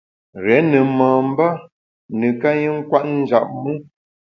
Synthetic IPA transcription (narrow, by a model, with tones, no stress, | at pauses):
ɣɛ˨˦nə˨məː˨m̩˦ba˦ | nɨ˨ka˦ɲi˦ŋ̩˦kwa˦ʔn̩˦d͡ʒa˨ʔ̚mu˦